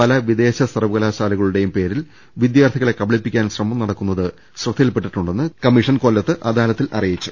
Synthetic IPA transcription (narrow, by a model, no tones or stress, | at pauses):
pɐlɐʋid̪e̞ːɕɐsɐrɐʋuɣɐlaːɕaːlɐɣɐɭuɽe̞jumpe̞ːɾil | ʋid̪jaːrt̪ʰiɣɐɭe̞kːɐbɐɭipːikʲːaːnɕrɐmɐmnɐɽɐkːunːɐðɨ | ɕrɐt̪ːijilpeʈːiʈːuɳɖe̞nːɨkɐmːiʂɐnkoːlːɐt̪ːɨʔɐd̪aːlɐt̪ːilʔɐ̰rijit͡ɕːu̥